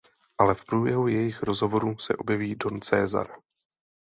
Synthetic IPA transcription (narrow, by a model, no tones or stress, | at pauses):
ʔalɛfpɾuːbjɛɦujɛjɪxɾo̞zɦo̞vo̞ɾusɛ̰ʔo̞bjɛviːdo̞nt͡sɛːza̰ɾ